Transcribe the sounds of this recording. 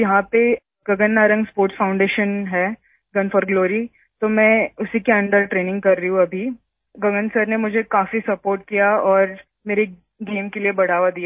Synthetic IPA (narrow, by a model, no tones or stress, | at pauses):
jɐɦãpe | ɡ̥ɐɡənːaːɾə̃ŋɡspoːɾʈsfãːʊ̃ɳɖeːʃənɦɛː | ɡɐnfəɾɡloːɾi | t̪omɛ̃ːʊsikeɐ̃ɳɖəɾʈɾeːnɪ̃ŋɡkɐɾːɐiɦũɐbʱi | ɡɐɡənsəɾnemʊd͡ʒʱekaːfisɐpoːɾʈ̚kijaɔːɾ | meːɾe | ɡeːmkeliebɐɽ̤aːʋad̪ija